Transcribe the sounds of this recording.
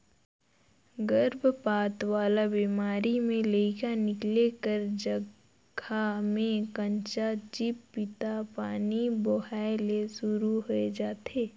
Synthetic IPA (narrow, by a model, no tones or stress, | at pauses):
ɡəɾbʱpaːt̪ʋaːlabiːmaːɾimẽleɪkanɪklekəɾd͡ʒə | ɡʱamẽkə̃ɲt͡ʃat͡ʃɪpːɪt̪apaːniboɦaːɪlesʊɾuɦoed͡ʒaːt̪eː